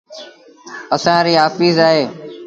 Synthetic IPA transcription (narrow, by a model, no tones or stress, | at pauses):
əsãːɾiːɦaːfiːzaːɦeː